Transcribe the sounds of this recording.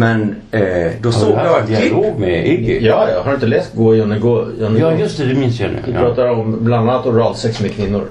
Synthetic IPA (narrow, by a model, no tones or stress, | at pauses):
mɛn | d̪ɔsoːɡjaaaoːɡmɛɪɡɪjɑːjahaɾɵɪnt̪əlɛːst̪̚ɡoːjɔnːɪɡoːjɔnːjɵst̪ɛd̪ɛmɪnsjɑ̰nʉ̰vɪpɾɑːt̪aɾɔmbland̪anːat̪ɔmɾɑːd̪sɛksmɛkʰvɪnːʊɾ